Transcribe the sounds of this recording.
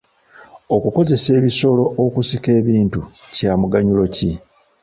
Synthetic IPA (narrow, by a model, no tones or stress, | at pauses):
o̞kuko̞ze̞se̞ːβiso̞lo̞ʔokusike̞ːβiːntucaːmuɡaɲulo̞ci